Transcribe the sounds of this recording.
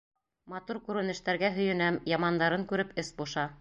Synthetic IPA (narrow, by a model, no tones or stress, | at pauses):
mɑt̪uɾkʉɾɘ̆nɘ̆ʃt̪æɾɡæɦɵ̆jɘ̆næmjɑmɑnd̪ɑɾɤŋkʉɾɘpɘsbuʃɑ